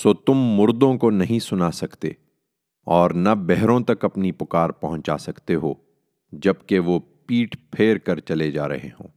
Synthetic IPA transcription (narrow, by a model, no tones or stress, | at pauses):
soːt̪ʊmːʊɾd̪õkonɐɦĩsʊnasɐkt̪ḛː | ɔːɾnabɛɦɾõt̪ɐkɐpnipʊkaːɾpɐɦʊ̃ɲt͡ʃa̰sɐkt̪eɦoː | d͡ʒɐbkeʋopiːʈpʰeːɾkɐɾt͡ʃɐled͡ʒaːɾɐ̰ɦḛɦõ̰ː